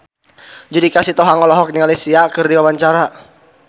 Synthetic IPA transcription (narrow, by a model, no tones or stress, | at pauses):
d͡ʒudikasit̪ɔɦaŋɔlɔɦɔk̚niŋalisiakɨrdiwabaɲt͡ʃaɾa